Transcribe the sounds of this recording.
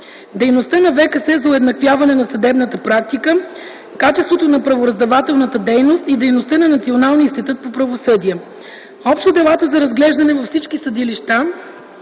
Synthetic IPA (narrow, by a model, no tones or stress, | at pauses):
d̪ɛjnost̪ənɐvɛkəsɛzɐʊɛd̪nɐkvʲjavɐnɛnɐsɐd̪ɛbnət̪əpɾak̚t̪ikə | kat͡ʃɛst̪vot̪onɐpɾɐvoɾɐzd̪ɐvat̪ɛlˠnət̪əd̪ɛjnost̪id̪ɛjnost̪ənɐnɐt̪sionalˠniinst̪it̪ut̪̚popɾɐvosɤd̪iɛ | ɔpʃt̪od̪ɛlˠat̪əzɐɾɐzɡlɛʒd̪ɐnɛvɐfsit͡ʃkisəd̪iliʃt̪a